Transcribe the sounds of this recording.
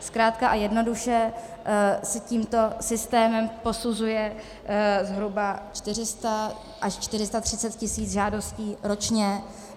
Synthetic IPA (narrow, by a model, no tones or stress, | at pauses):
skɾaːt̪̚kaʔajɛdno̞duʃɛ | sɛciːmt̪o̞sɪst̪ɛːmɛmpo̞suzujɛ | zɦɾubat͡ʃt̪ɪr̝ɪst̪a | ʔaʃt͡ʃt̪ɪɾɪst̪at̪r̝̥ɪt͡sɛt̪̚cɪsiːt͡sʒaːdo̞sciːɾo̞t͡ʃɲɛ